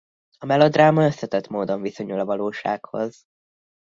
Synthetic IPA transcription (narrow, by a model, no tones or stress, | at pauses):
ɒmɛlod̪raːmɒøsːɛt̪ɛt̪moːd̪o̞ɱviso̞ɲulɒvɒloːʃa̰ːkho̞̰z